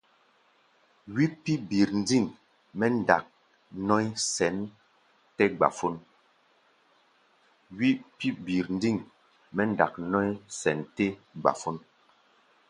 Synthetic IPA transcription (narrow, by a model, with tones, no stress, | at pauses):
wi˦pi˦bi˨ɾn̩˦di˦˨ŋ | mɛ˦n˨da˨k̚ | nɔ˦jsɛ˨˦n | tɛ˦ɡ͡ba̰˨fo˦n | wi˦pi˦bi˨ɾn̩˦d͡zi˦˨ŋ | mɛ˦n˦da̰˨k̚nɔ˦jsɛ˨˦ntɛ˦ɡ͡ba̰˨fo˦n